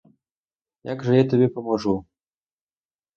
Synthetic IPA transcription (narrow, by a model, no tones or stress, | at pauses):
jaɡʐɐjat̪ɐbʲepɐmɐʐu